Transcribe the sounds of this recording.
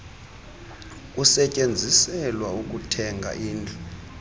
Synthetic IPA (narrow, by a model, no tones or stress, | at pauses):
kʼusɛcʼend͡zʱisɛlwauk̬ʼutʰɛŋɡʱa̰ʔiːnd͡ɮʰʱu